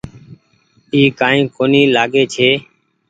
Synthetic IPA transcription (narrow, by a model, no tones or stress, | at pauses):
iːkaːĩːkoːniːlaːɡeːt͡ʃʰeː